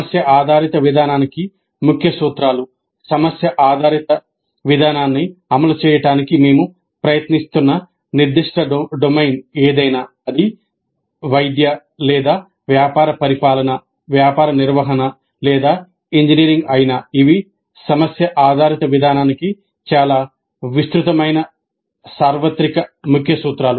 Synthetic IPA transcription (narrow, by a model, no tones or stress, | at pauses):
ɐsjɐʔaːd̪ʱaːɾit̪ɐʋid̪ʱaːnaːniki | mukʰjɐsuːt̪ɾaːlu | sɐmɐsjɐʔaːd̪ʱaːɾit̪ɐ | ʋid̪ʱaːnaːnːiɐmɐlut͡ʃɛːjɐʈaːnikime̞ːmu | pɾɐjɐt̪nist̪unːɐ | niɾd̪iʂʈɐɖomɐjneːd̪ɐjnaː | ɐd̪i | ʋɐjd̪jɐ | lɛːd̪aː | ʋjaːpaːɾɐpɐɾipaːlɐnɐ | ʋjaːpaːɾɐniɾʋɐɦɐnɐ | lɛːd̪aː | iɲd͡ʒiniːɾiŋɡɐjinaːiʋi | sɐmɐsjɐʔaːd̪ʱaːɾit̪ɐʋid̪ʱaːnaːniki | t͡ʃaːlaː | ʋist̪ɾut̪ɐmɐjnɐ | saːɾʋɐt̪ɾikɐmukʰjɐsuːt̪ɾaːlu